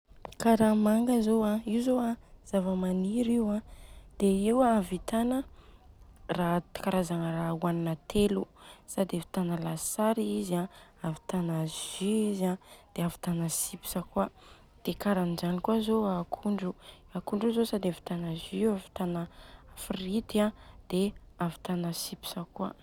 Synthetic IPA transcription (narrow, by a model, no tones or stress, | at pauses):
kaɾamaŋɡəzoaiuzoaz̥avəmaniɾiwãd̪̥eiwaavit̪anə | rat̪i̥kaɾazaŋərauaninat̪ʰelusad̪evi̥t̪anəlasaɾiizaavi̥t̪anəʒiizãd̪̥eavi̥t̪anəsipi̥səkua | d̪̥ekaɾanizanikuazoakʰuɳɖ͡ʐu | akuɳɖ͡ʐuzosad̪evi̥t̪anaziavi̥t̪anəafrit̪iãd̪̥e | avi̥t̪anəsipi̥səkua̰